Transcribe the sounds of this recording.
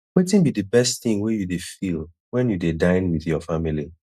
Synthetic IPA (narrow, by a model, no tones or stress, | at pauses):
wetɪ̃nbidɨbɛstθɪ̃ŋwejudefilˠ | wɛ̃njudedãɪ̃nwiðjɔfamili